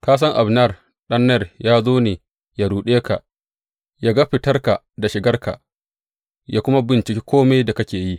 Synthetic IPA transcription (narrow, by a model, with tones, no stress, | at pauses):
kaː˦s̬ɐ˦ŋʔa˨bnɐ˦˨r | ɗɐ˦nːɐ˦˨rjaː˦zoː˦neː˨ | ja˨ɽuː˨ɗeː˦ka˨ʔ | jaː˦ɡa˦ɸɪ˨tɐ˦rka˨ | da˨ʃɪ˨ɡɐ˦rka̰˨ʔ | jaː˦kʷʊ˦ma˦bɪ˨nt͡ʃɪ˨kʲe˦kʷʰoː˦ma˦jda˨kɐ˦kʲeː˨ji˦ʔ